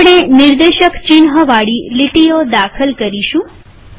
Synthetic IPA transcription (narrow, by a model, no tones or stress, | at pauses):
ɳ̃enɪɾd̪eʃəkt͡ʃinɦəʋaɽiliʈijod̪akʰəlkəɾiʃũ